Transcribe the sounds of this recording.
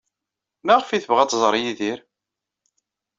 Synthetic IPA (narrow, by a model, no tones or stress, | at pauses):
mæʁfiθəvʁæt̪ːˤzˤɾˤjiðiɾ